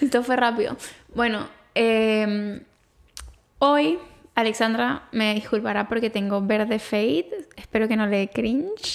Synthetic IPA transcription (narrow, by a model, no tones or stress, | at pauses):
et̪ofwerapiðo̰bwe̞no̞ | em | o̞jaleksand̪ɾame̞ðiskulpaɾapo̞ɾke̞t̪e̞ŋɡo̞βe̞ɾðe̞fejt̪espe̞ɾo̞ke̞no̞lekɾint͡ʃ